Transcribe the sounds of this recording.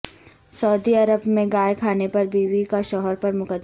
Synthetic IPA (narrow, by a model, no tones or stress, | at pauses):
sɐʊd̪iɐɾəbmẽɡaːjkʰaːnepɐɾbiːwikaʃɔɦɔɾpɐɾmʊkəd̪